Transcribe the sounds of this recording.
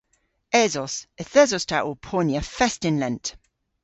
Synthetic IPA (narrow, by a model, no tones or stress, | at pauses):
ɛzɔsɛθɛzɔstʰaʔɔpʰɔnjəfɛstɪnlɛ̃nt